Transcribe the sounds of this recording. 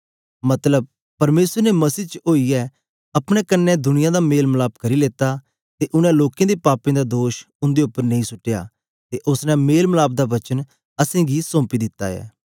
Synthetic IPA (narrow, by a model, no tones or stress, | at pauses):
mɐt̪ləb̚ | pɐɾmeːsəɾnemɐsiːt͡ʃəoːiɛ | ɐpɽ̃ɛkənːɛ̃d̪ʊnɪjãːd̪ameːlməlaːb̚kɐɾileːt̪a | t̪eʔʊnɛ̃loːkẽd̪epaːpẽːd̪ad̪oːʃ | ʊ̃nd̪eʊpːəɾnɐĩsʊʈːeja̰ː | t̪eʔʊsnɛ̃meːlməlaːb̚d̪aːʋɐt͡ʃən | ɐsẽːɡisɔ̃ːmpid̪ɪt̪ːa̰ːɛ̰ː